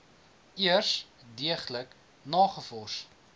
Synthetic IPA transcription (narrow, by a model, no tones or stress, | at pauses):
iərsdiəχlək | nɑːχəfɔrst